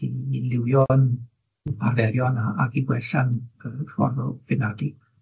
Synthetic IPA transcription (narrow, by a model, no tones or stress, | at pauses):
ilˠɪwjɔn | pʰarvɛɾjɔnaaɡiɡwɛɬanəfɔ̰rðɔvɪnadi